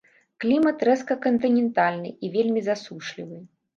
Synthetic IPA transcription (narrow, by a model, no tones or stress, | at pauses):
klʲimɐt̪ɾɛskɐkɐnt̪ɨnʲɛnt̪alʲnɨ̰ivʲelʲmʲizasuʂlʲivɨ